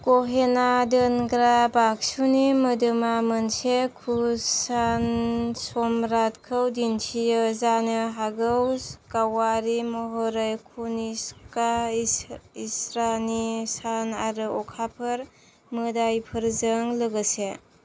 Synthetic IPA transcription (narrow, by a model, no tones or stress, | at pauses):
koɦenadɯnɡɾabak̚sunimədɯmamənsekʰusansɔmɾatkʰəwdinsʰijɯzanɯɦaɡɯwskawaɾimɔɦɔɾɯjkʰuniska | isɾanisanaɾɯɔkʰapʰɯɾ | mɯdajpʰɯɾzəŋləɡəse